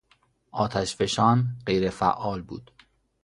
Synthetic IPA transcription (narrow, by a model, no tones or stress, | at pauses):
ʔɒːt̪ʰæʃfe̞ʃɒːnɢe̞jɾefæ̰ʔɒːlbuːd̪̥